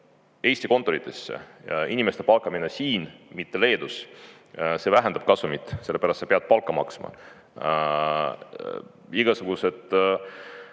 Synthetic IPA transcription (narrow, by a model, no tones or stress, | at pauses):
e̞jst̪iko̞nt̪ːˑo̞ɾit̪ʰːˑe̞sːḛinime̞st̪e̞pɑlkːˑɑminesiːnmit̪ːe̞le̞ːd̪us | sevæɦend̪̥ɑb̥̚kɑsumit̪ːˑse̞lːepæɾɑst̪sɑpeɑd̪̚pɑlkːˑɑmɑ̰ksmɑ̰ | iɡ̥ɑsuɡ̥use̞d̪̥